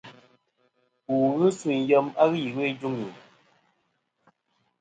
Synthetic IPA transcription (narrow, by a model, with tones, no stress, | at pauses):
u˨ɣɨ˦su˨n˨jə˦ma˦ɣɨ˦ji˨we˦d͡ʒu˦ŋji˨